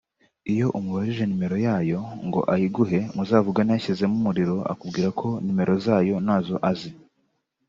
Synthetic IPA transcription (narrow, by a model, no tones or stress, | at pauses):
ijo̞ʔumuhoɾiʒe̞nime̞ɾo̞jaːjo̞ŋɡo̞̰ʔahiɡuɦe̞muzaːvuɡanijaçize̞mumuɾiɾo̞ʔa̰kubɡiːɾakʰo̞nime̞ɾo̞zaːjo̞naːzo̞ʔazi